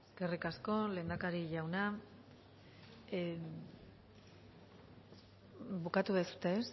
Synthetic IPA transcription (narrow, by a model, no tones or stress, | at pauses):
eskerikasko̞le̞ːnd̪akaɾiʎawna | bukat̪uβesu̥t̪eːs